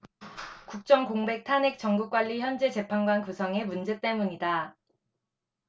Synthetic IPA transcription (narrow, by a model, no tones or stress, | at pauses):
kuk̚t͡ɕ͈ʌŋkoŋbe̞k̚tʰane̞k̚t͡ɕ͈ʌŋɡuk͈̚waʎːiçjʌnd͡ʑe̞t͡ɕe̞pʰanɡwankusʰʌŋe̞mund͡ʑe̞t͈e̞muɲida